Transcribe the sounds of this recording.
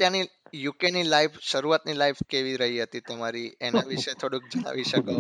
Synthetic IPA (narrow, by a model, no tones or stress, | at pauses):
t̪jãnijukenilaifʃəɾuʋat̪nilaifkeʋiɾəɦiɦət̪it̪əmaɾienaʋiʃet̪ʰoɽũk̚d͡ʒəɽ̃a̰ʋiʃəko